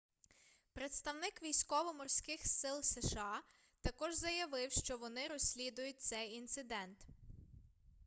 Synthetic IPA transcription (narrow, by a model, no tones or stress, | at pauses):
pɾet̪st̪ɐwnɪkʋʲijsʲkɔʋɔmɔrsʲkɪxsɪlˠseʃɑ | t̪ɐkɔʒzɐjɐʋɪwʃt͡ʃɔʋɔnɪɾɔsʲlʲid̪ʊjʊt̚ʲt̪sɛjint̪sɪd̪ɛnt̪